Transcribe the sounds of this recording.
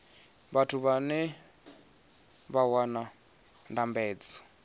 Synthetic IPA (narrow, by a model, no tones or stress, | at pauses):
βatʰuβanɛ | βawana | ndambɛːd͡zɔ̥